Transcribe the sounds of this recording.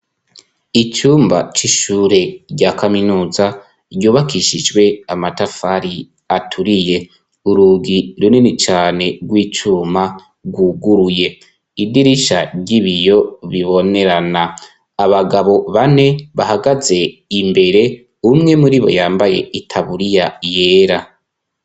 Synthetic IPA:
it͡ʃuːmba̰t͡ʃiʃuːɾe̞ɟakaminuːza | ɾjuːβakʰiʃid͡ʒɡwe̞amatafaɾi | atʰuɾije̞ | uɾuːɡiɾunenit͡ʃaːne̞ɡwiːt͡ʃuːma | ɡwuɡuɾuje̞ | idiɾiʃaɾɟiβijo̞βiβo̞ne̞ɾanaː | βaɡaβo̞βane̞βahaɡaze̞imbe̞ɾe̞ | umŋe̞muɾiβo̞̰jaːmbaje̞itʰaβuɾijaje̞ːɾa

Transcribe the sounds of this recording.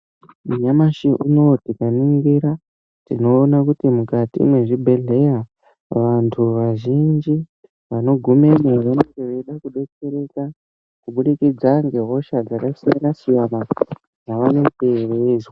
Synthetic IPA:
muɲamaʃiʔuno̞tikaniŋɡiɾa | tino̞ːnakutimukatḭmweʐibʱe̞ɮe̞ja | ʋantʰuʋaʒind͡ʒi | ʋano̞ɡʱumeneʋeneŋɡeʋeɗakuɗe̞t͡ʃe̞ɾe̞ka | kuɓuɗikid͡zaŋɡe̞ɦo̞ʃad͡zakasiiɾasijama | d͡zaʋane̞terezwa

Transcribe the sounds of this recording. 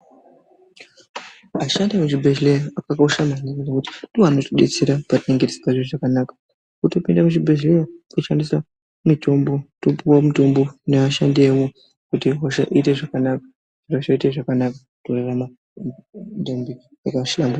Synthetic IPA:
aʃandemut͡ʃibʱeʃlejoakakauʃamanininekuti̥doanotoɗḛt͡se̞ɾapatineŋɡete̥si̥paʐioʐakanakḁ | kuto̞pindamuʐibʱeʃlejokuʃandiswa | mito̞mbo̞topuwamuto̞mbo̞neaʃandeːwo | kutiɦoʃa̰ʔiteʐakanakḁ | ʐ̥iraʃaiteʐakanaka | torarama | dembi | akaʃilambu

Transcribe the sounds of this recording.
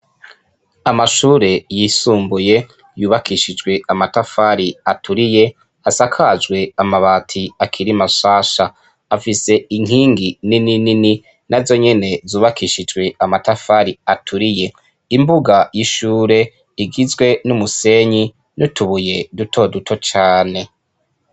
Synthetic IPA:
amaʃuːɾe̞jiːsuːmbuje̞ | juːβakʰiʃid͡ʒɡwe̞amatafaɾiatʰuɾije̞ | asakʰad͡ʒɡwe̞amaβaːtʰiakʰiɾimaʃaːʃaː | fise̞iŋɦiːŋɡinininini | nʔazo̞ɲe̞ne̞zuːβakʰiʃid͡ʒɡwe̞amatafaɾiatʰuɾije̞ | imbuɡajiʃuːɾe̞ | iɡizwe̞numuse̞ɲi | nutʰuβuje̞dutʰo̞dutʰo̞t͡ʃaːne̞

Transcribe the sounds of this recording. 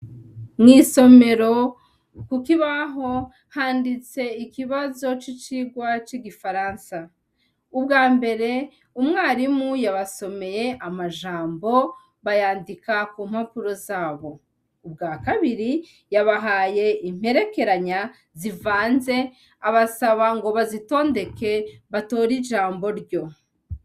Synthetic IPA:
ŋŋiːso̞me̞ɾo̞ | kukiβaɦo̞ | haːndit͡se̞ikiβazo̞t͡ʃit͡ʃiɡwat͡ʃiɡifaɾansa | ubɡaːmbe̞ɾe̞ | umŋaːɾimujaβaso̞me̞je̞ʔamaʒaːmbo̞ | βajaːndikakuːmhapuɾo̞zaːβo̞ | ubɡaːkaβiɾi | jaβaɦaːje̞im̥he̞ɾe̞ke̞ɾaɲa | zivaːnze̞ | aβasaβaŋɡo̞βazito̞ːnde̞ke̞βato̞ːɾiʒaːmbo̞ɾɟo̞

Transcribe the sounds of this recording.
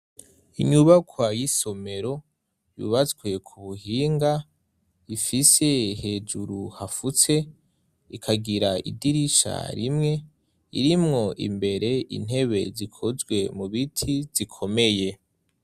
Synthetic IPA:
iɲuβakʰwajiso̞me̞ɾo̞ | jṵβat͡sɡwe̞kʰuβuhiːŋɡa | ifise̞he̞d͡ʒuɾuhafut͡se̞ | ikʰaɡiɾaḭdiɾiʃa̰ɾimŋe̞ | ḭɾimŋo̞ʔḭmbe̞ɾe̞ḭn̥e̞βe̞̰zikʰozɡwe̞muβitʰiz̥ikʰo̞me̞je̞

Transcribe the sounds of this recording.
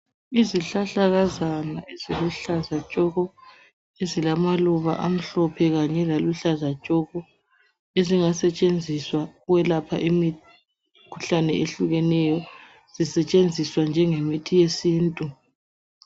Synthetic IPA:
iziɬaɬaɣazanaeziluɬazat͡ʃʼɔɣɔ | ezilamaluβa̰ʔam̩ɬɔpʰɛɣaɲɛlaluɬazat͡ʃʼɔɣɔ | eziŋasɛt͡ʃʼend͡zʱiswawɛlapʰa̰ʔimi | kʰu̥ɬanɛeɬuɣɛnɛjɔ | z̥isɛt͡ʃʼend͡zʱiswand͡ʒʱɛŋemitʰijesiːntʼu

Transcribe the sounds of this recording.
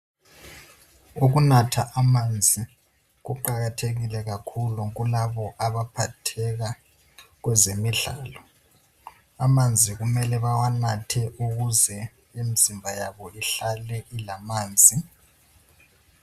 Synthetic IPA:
uɣunatʰaʔamand͡zʱi | ɣuǃaɣatʰeɣilɛɣakʰuluɣulaβɔʔaβapʰatʰɛɣa | ɣwɛzemiɮaːlɔ | amand͡zʱiɣumɛlɛβawanatʰɛʔuɣuzɛ | emizimbʱajaβɔiɬalɛʔilamaːnd͡zʱi

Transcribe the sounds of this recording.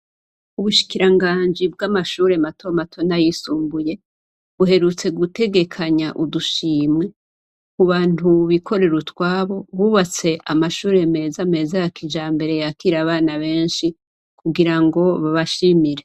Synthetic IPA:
uβuʃi̥kiɾaŋɡaːɲd͡ʒib̚ɡamaʃuːɾe̞matʰo̞matʰo̞najisuːmbuje̞ | βuɦe̞ɾut͡se̞ɡute̞ɡe̞kʰaɲaʔuduʃiːmŋe̞ | kuβaːn̥uβikʰo̞ɾe̞ɾutwaːβo̞βuβat͡se̞ʔamaʃuːɾe̞me̞ːzame̞ːzajakid͡ʒaːmbe̞ɾe̞jakiɾaβaːnaβe̞ːnʃi | kuɡiɾaŋɡo̞βaβaʃimiɾe̞

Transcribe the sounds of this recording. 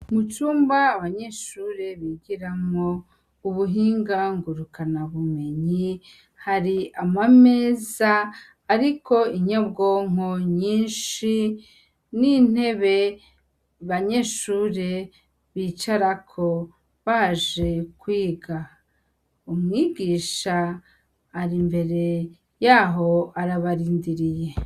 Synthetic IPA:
mut͡ʃuːmbaːβaɲe̞ʃuːɾe̞βiɟiɾamo | uβuɦiːŋɡaŋɡuɾukanaβume̞ɲi | haɾiamame̞ːzaː | ɾiko̞iɲabɡoːŋ̥o̞ɲiːnʃi | nin̥e̞βe̞ | βaɲe̞ːʃuːɾe | βit͡ʃaɾakʰo̞ | βaʒe̞kwiːɡa | umŋiːɡiːʃaː | ɾimbe̞ɾe̞ | jaːɦo̞aɾaβaɾiːndiɾije̞

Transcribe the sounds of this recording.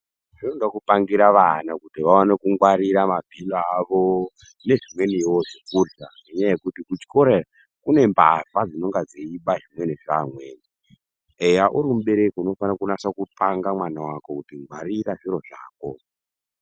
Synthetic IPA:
ʐ̥inoŋɡakupaŋɡiɾaʋanakutiʋawanekuŋɡwaɾiɾamabʱiloaʋo | ne̞ʐimwe̞niwoʐekuɮa | eɲajekutikut͡ʃko̞ɾera | kune̞mbafad͡zino̞ŋɡad͡zeiɓaʐimwe̞neʐamweːni | ejaʔuɾimuɓe̞ɾekuno̞fanakunasakutaŋɡamwanawako̞kutiŋɡwaɾiɾaʐiɾo̞ʐaːko̞

